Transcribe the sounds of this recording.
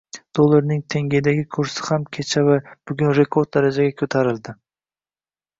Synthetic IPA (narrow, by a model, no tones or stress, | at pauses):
d̪̥olˠːaɾnɪŋt̪ʰe̞ŋʲed̪aɡʲɪkʰʊɾsɪ̥hamkʲʰet͡ʃʰavab̥ʊɡʲʊnɾe̞kʰo̞ɾd̪̚d̪aɾad͡ʒaɡʲakʰɵt̪ʰaɾɪld̪ɪ